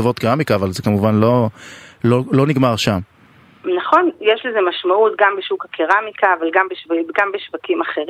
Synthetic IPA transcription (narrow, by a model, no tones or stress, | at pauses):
avot̪kiʁamikaːvalzekamuvanlo̞lolo̞niɡmaʁʃam | naχo̞njeʃlezemaʃmaut̪ɡambeʃukakʰiʁamikaːvalɡambeʃvɡambeʃvakimaχeʁ